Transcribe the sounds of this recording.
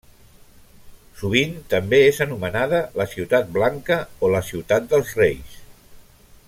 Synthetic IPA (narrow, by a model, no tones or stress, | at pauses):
suβ̞int̪əmbeezənumənað̞ələsiuwt̪at̪̚blaŋkəoləsiwt̪at̪̚d̪əlˠzrejs